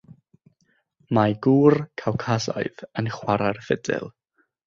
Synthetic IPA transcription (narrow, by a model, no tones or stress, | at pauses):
maɡuːrkʰawkʰazɔ̰ɨðənχwaɾarfɛdɪ̰lˠ